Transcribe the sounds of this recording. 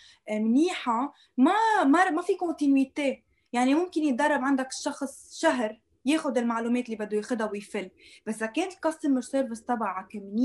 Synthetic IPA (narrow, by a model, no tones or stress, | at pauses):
mniːħa | mamamafikõt̪inwit̪eː | jaʕnimʊmkɪnjɪt̪d̪ɑrˤːɑbʕand̪akɪ̥ʃːɑxsˤʃaɦɾ | jeːxʊd̪ɪlmaʕluːmeːt̪lːiːbad̪ːʊjexʊd̪awɪjfɪlːb̥asːzakeːnt̪ɪlkɑsˤːɪmːɪʃseɾvɪst̪ˤːɑbaʕakamniː